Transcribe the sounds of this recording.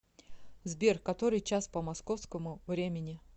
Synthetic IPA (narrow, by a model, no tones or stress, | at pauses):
zbʲerkːɐt̪o̞ɾɨjt͡ɕaspəmɐskofskəmʊvɾʲemʲɪnʲɪ